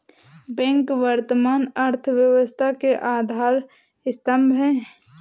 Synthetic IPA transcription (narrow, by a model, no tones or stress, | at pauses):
bɛ̃ːŋkʋəɾt̪əmaːnəɾt̪ʰʋjəwəst̪ʰakeʔaːd̪ʱaːɾ | ɪst̪əmbʱɦɛ̃ː